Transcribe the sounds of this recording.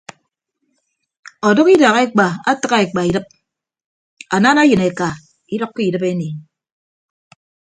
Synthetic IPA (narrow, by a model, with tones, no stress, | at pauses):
ɔ˨dɔ˦ki˦da˨ɣe˦k͡pa˨a˦tɨ˦ka˦e˨k͡pa˨i˨dɨ˦p̚ | a̰˨naː˦na˦jɨ˨ne˨ka˨ | i˦dɔ˦kːi˦i˨dɨ˦pe˦ni˨